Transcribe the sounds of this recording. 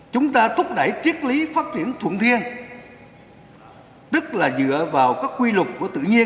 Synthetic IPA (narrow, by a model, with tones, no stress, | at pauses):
t͡ɕʊ˨˦ŋ͡mt̪aː˧t̪ʰʊ˦˥k͡p̚ɗa˧˩jt͡ɕi˦˥ət̚li˨˦faː˦˥t̚t͡ɕi˧˩ənt̪ʰṵ˧˩˨nt̪ʰi˧ən | t̪ɨ˦˥k̚laː˨˩zɨ̰˧˨əvaː˨˩wkaː˦˥kkwi˧lʊ˨˩k͡p̚kːu˧˩ət̪ɨ̰˧˨ɲi˧ə